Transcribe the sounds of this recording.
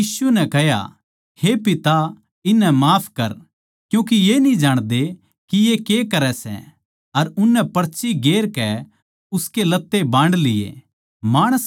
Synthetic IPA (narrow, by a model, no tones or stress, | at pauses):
iːsʊɛnɛkɐɦja̰ | hepɪt̪a | ɪnːɛmaːpʰkɐɾ | kjũːk̬ijenĩd͡ʒaːɽ̃d̪e | kijekekɐɾɛsɛ̰ | ɐɾʊnːɛpɐɾt͡ʃiɡeːɾkɛ | ʊskelɐt̪ːebãːɳɽɖlɪjḛ | maːɽ̃əs